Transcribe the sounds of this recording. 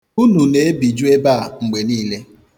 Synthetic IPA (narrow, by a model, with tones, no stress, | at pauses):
u˦nu˨ne˨e˦bi˨d͡ʒu˦e˦ba˦˨ŋ͡m̩˨ɡ͡be˨niː˦le˦